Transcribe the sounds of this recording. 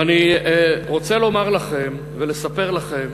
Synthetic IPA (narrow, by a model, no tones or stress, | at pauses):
aniʁo̞t͡selo̞maʁlaχe̞m | vele̞sape̞ʁlaχe̞m